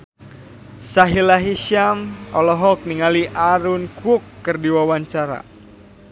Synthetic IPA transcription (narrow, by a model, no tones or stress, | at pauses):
saɦilaɦiʃamɔlɔɦɔk̚niŋaliʔaɾunkukːɨrdiwawaɲt͡ʃaɾa̰